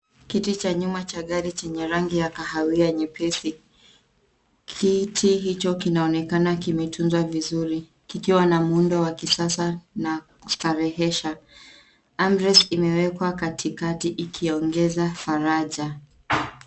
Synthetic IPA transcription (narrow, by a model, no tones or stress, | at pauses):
kitit͡ʃaɲumat͡ʃaɠaɾit͡ʃɛɲɛɾaŋɡijakahawiaɲɛpʰɛsi | kʰitʰiɦit͡ʃɔkinaɔnɛkanakimɛtʰunzwavizuɾi | kikiwanamundɔwakisasanaku̥saɾɛɦɛʃa | amɾɛsimɛwɛkwakatʰikatiʔikʰiɔŋɡɛzafaɾaʄa